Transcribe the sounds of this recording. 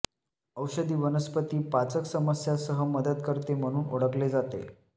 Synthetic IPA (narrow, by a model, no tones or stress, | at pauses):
əwɕəd̪iːʋənəspət̪iːpat͡səksəməsjasəɦəməd̪ət̪kəɾt̪em̤əɽ̃uːnoɽ̤əkled͡zat̪ḛ